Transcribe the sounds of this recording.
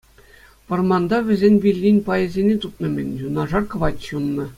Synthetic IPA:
pɤ̆rmɑnd̪ɑʋʲɘ̆zʲenʲʋʲilʲːinʲpɑjɘ̆zʲenʲet̪ut̪̚nɤ̆mʲɘ̆nʲjunɑʐɑrkɤ̆ʋɑtʲɕunːɤ̆

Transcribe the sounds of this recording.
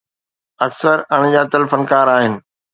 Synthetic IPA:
ɐksəɾɐɽ̃d͡ʑaːt̪ɐlfənkaːɾaːɦɪnɪ̆

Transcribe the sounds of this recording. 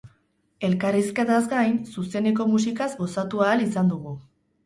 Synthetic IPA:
e̞lkariske̞t̪azɡajnsuse̞nek̬o̞mus̬ikazɡo̞sat̪uaːlisand̪uɣu

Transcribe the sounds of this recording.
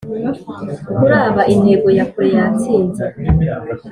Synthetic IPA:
ukuɾaːβaʔineɡojakuɾejat͡siːnza

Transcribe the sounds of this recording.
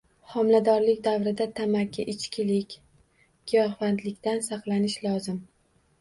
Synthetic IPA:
hɒmlad̪ɒɾlɪkʲd̪avɾɪd̪at̪ʰamakʲʰːɪʔɪt͡ʃkʲʰɪlɪkʲ | ɡ̥ʲʰijɒχvant̪lɪkʲt̪ansɑqlˠanɪʃlɒzɪm

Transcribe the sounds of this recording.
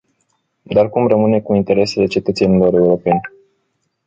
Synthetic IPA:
d̪arkumrəmɨne̞kuint̪e̞ɾe̞se̞le̞t͡ʃe̞t̪ət̪senilo̞ɾe̞uɾo̞pe̞n

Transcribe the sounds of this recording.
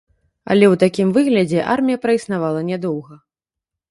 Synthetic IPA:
ɐ̰lʲɛwt̪akʲimvɨɣlʲɐd͡zʲɛʔa̰rmʲijɐpɾɐisnavalˠɐnʲɛd̪ɔwɣɐ

